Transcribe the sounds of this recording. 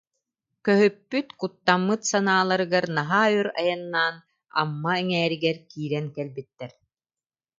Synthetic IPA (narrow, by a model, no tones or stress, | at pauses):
kœɦypːyt̪kut̪ːamːɯt̪sanaːlˠaɾɯɡaɾnaɦaːyɾa̰janːaːn | a̰mːaɛŋɛːɾiɡɛɾkiːɾɛnkɛlbit̪ːɛɾ